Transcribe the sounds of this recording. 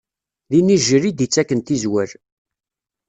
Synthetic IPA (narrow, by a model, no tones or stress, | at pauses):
ðiniʒəɾid̪it͡sːækːənt̪izwæɾ